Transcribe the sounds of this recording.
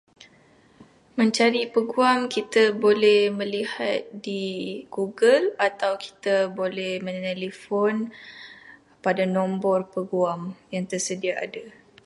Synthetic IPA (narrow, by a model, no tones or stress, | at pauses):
mə̃ɲt͡ʃaɾipəɡuamkit̪abolɛhmə̃lihat̪̚diɡ̥uɡəlat̪awki̥t̪abolɛhmə̃nɛlifɔn | padanombɔrpəɡuamjaŋt̪ərsədiaʔa̰da